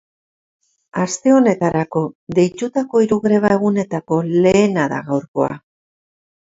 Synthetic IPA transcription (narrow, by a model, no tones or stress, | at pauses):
ast̪e̞o̞ne̞t̪aɾako̞d̪e̞jt̪ut̪ako̞iɾuɣɾe̞β̞ae̞ɣune̞t̪ako̞le̞ːnaða̰ɣawɾko̞̰a̰